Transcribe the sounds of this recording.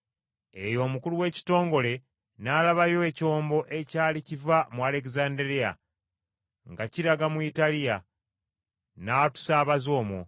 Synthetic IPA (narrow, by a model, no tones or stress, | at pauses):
e̞jo̞ːmukuluwe̞ːci̥to̞ːŋɡo̞le̞ | naːlaβajo̞eco̞ːmbo̞ʔe̞caːlicivamuale̞k̬zaːndeɾija̰ | ŋɡaciɾaɡamuitalija | natu̥saːβazo̞ːmo̰